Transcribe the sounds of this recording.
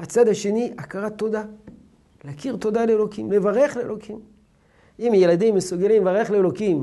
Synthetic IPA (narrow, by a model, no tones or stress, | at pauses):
at͡sad̪haʃe̞niʔakaʁat̪o̞d̪a | leakiʁt̪o̞d̪aleelo̞kimle̞vaʁe̞χleelo̞kʰim | imjelad̪imːesuɡelimevaʁeχleːlo̞kim